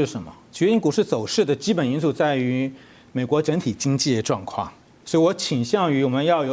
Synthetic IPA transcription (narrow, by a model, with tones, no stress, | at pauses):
ʂɻ̩˥˩ʂə˧˥nmə̰˧t͡ɕɥɛ˧˥i˥˩ŋku˨˩ʂɻ̩˥˩t͡so˨˩ʊʂɻ̩˥˩d̪ə˩t͡ɕi˥pə˨˩ni˥nsu˥˧t͡sa˥˩ɪy˧˥ | me˨˩ɪkwɔ˧˥ʈ͡ʂɤ˧˥ŋt̪ʰi˨˩t͡ɕi˥ŋt͡ɕi˥˩ʈ͡ʂwɑ˥˧ŋkʰwɑ̰˥˩ŋ | swɔ˧˥i˧wɔ˧˥t͡ɕʰi˨˩ŋɕjɑ˥˩ŋy˧˥wɔ˨˩mə˧˦njɑ˥˩ʊjo˨˩